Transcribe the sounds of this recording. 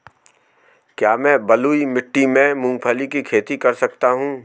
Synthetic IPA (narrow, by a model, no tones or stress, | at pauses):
kjaːmɛ̃ːbɐluːimɪʈːimẽmũːŋɡ̚pʰəlikikʰeːt̪ikɐɾsɐkt̪aɦũː